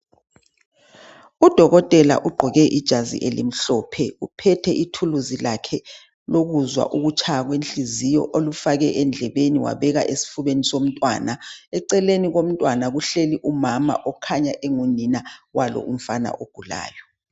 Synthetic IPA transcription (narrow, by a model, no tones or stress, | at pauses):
ud̥ʱɔɣɔtʼɛla̰ʔuɡ͡ǃʱɔɣɛʔid̥ʒ̥ʱazḭʔelḛm̩ɬɔpʰɛupʰɛtʰɛʔitʰuluzilakʰɛ | loɣuzwa̰ʔuɣut͡ʃʰaɣwent͡ɬizijɔ̰ʔolufaɣɛʔɛnd͡ɮʱɛβeniwa̰βɛɣaʔesi̥fuβenisom̩tʼwa̰ːnaɛǀɛleniɣom̩tʼwanaɣuɬeliʔumama̰ʔɔkʰaɲaʔeŋuninawalɔ̰ʔum̩fana̰ʔoɡ̥ʱula̰ːjɔ